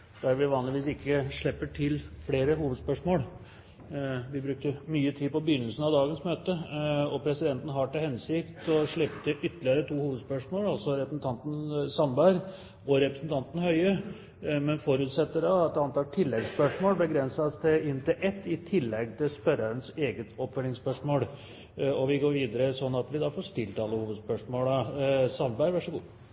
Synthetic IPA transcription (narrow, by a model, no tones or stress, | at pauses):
d̪̥æɾʋɪʋɑːnlɪʋiːsɪkʰːəʂɭɛpːəʈʰɪlfleːɾəɦuːʋəd̪spœʂmoːl | ʋɪbɾʉk̚t̪əmyːət̪ʰiːpɔbəjʏnːəlsən̩ɑʋd̪ɑːɡənsmøːt̪əɔpʰɾɛsɪd̪ɛnt̪n̩əɦɑʈɪlhɛnsɪkt̪ɔʂɭɪpt̪əʔʏt̪ːəlɪəɾət̪ʰuːhuːʋəd̪spœʂmoːlɑlsɔɾɛpɾəsn̩t̪ʰɑnt̪n̩sɑmbæɪɾ | ɔɾɛpɾəsn̩t̪ʰɑnt̪n̩hœʏə | mɛnfɔɾʉːt̪sɛt̪ːəɖɑɑt̪̚d̪ɛɑnt̪ɑːʈʰɪlːɛɡspœʂmoːlbəɡɾɛnsɑst̪ʰɪlɪnt̪ɪlʔɛt̪ːɪt̪ʰɪlːɛɡt̪ʰɪlspœɾəɾənseːɡət̪ɔpːfœlɪŋspœʂmoːl | ɔʋɪɡoːɾʋiːd̪əɾəsɔnːɑt̪ʋɪd̪ɑfoːʂt̪ɪlt̪ɑlːəhuːʋəd̪spœʂmoːləsɑnbæɾʋæʂəɡuː